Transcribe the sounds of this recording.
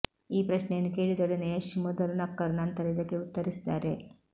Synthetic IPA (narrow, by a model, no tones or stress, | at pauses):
iːpɾɐʃnejɐnːukeːɽid̪ɔɽɐneɐʃimud̪ɐlunɐkːɐɾnɐnt̪ɐɾid̪ɐkːeut̪ːɐɾisi̥d̪aːɾe